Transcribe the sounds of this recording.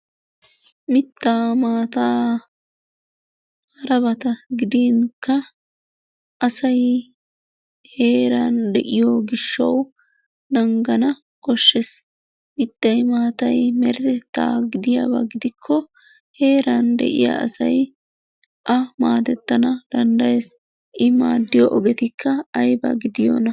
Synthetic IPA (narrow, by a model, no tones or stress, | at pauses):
mɪt̪ːaːmaːt̪aː | hɐɾɐβɐt̪ɐɡɪd̪iŋkɐ | ʔɐsɐj | he̞ːɾɐnd̪ɛʔɪjoːɡɪʃːɐ̰w | nɐŋɡɐnɐ | kɔʃːɛs | mɪt̪ːɐjmaːt̪ɐjmɛɾɛt̪ɛt̪ːa̰ːɡɪd̪ɪja̰bɐ̰ɡɪd̪ɪkʰːɔ | he̞ːɾɐnd̪ɛ̰ʔɪ̰ja̰ʔɐ̰sɐ̰j | ʔɐmaːd̪ɛt̪ːɐnɐd̪̥ɐnd̪ɐjes | ʔɪma̰ːd̪ːɪjɔʔɔɡɛt̪ɪkʰːɐɐjbɐ̰ɡɪd̪ɪjo̰ːnɐ